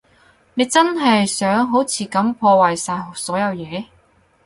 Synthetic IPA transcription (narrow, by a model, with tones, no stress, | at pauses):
ne˨˧jt͡sɐ˥nɦɐ˨jsœː˨˥ŋɦo˨˥wt͡sʰiː˨˩kɐ˨˥mpʰɔː˧waː˨jsaː˧jsɔː˨˥jɐ˨˧wjɛː˨˧